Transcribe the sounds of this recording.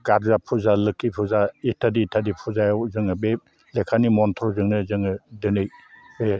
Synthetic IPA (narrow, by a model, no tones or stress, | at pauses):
ɡaɾzapʰuzalɯkːipʰuzaitʰaditʰadipʰuzajawzɯŋɯbe | lekʰanimɔntʰɾɔzɯŋnɯzɯŋɯdɯnɯjbe